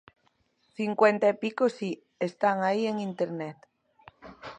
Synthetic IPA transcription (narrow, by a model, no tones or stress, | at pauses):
θiŋkwent̪aepikosi | est̪aŋaieŋĩnt̪eɾnet̪